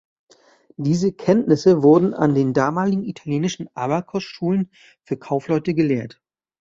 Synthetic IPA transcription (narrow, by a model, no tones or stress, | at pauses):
d̥iːzəkʰɛntnɪsəvʊɐdn̩a̰ndeːndaːmaːlɪɡŋ̩itʰaljeːnɪʃn̩ʔaːβakʰɔsʃuːlən | fyːɐkʰaʊflɔʏtəɡəleːɐt